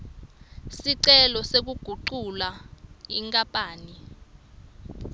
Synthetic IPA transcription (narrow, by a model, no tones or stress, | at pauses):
siǀɛlɔsek̬uɡ̥ʱuǃulaiŋkʼapʼaːni